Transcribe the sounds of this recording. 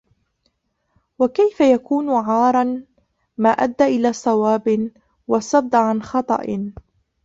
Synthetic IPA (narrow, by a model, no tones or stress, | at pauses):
wakajfajakuːnʕɑːɾˤɑn | maːʔad̪ːaːʔɪlaːsˤɑwaːbɪ | wɑsˤɑb̚d̪ˤʕanxɑt̪ˤɑ̰ʔɪ